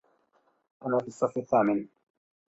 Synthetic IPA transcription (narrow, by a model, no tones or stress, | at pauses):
ʔanaːfiɑsˤːɑfɪθːaːmɪn